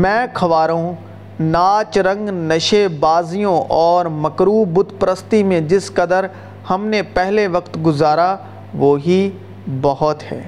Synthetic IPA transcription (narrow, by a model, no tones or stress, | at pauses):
mɛ̃ːkʰɐʋaːɾõ | naːt͡ʃɾɐ̃ŋɡnɐʃebaːzijõʔɔːɾmɐkɾuːbʊd̪pɾəst̪imẽd͡ʒɪskɐd̪əɾ | hɐmnepɛɦleʋɐqt̪ɡʊzaːɾa | ʋoːɦi | bɐɦɔt̪hɛ̰ː